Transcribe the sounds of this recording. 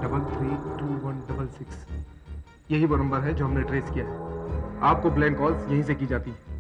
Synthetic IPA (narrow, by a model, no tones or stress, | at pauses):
ɖɐbəlt̪ʰɾiːʈuːʋɐnɖɐbəlsɪks | jɐɦiʋoːnɐ̃mbəɾɦɛd͡ʒoːɦɐmneʈɾeːskijaːɦɛaːp̚kopleːnkɔːlzjɐɦĩs̬ekid͡ʒaːt̪i